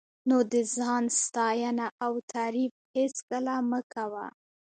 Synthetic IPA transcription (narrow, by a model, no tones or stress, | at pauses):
nod̪əzɑnst̪ɑjanaʔawt̪ʰaɾib̚heskəlaməkawa̰